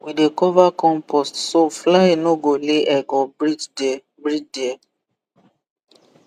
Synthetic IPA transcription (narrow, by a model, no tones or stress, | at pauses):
widekɔvakɔ̃mpɔstsoflaenoɡoleʔɛɡɔɹid͡ʒ | bɹid͡ʒdɛ